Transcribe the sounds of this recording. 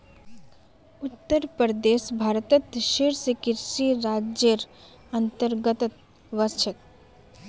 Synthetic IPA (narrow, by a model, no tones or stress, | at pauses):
ʊt̪ːəɾpəɾd̪eːʃbʱaːɾt̪ət̪ʃeːɾsekɪɾʃiɾaːd͡ʒjəɾ | ɐnt̪əɾɡət̪t̪ | ʋəst͡ʃʰət̪̚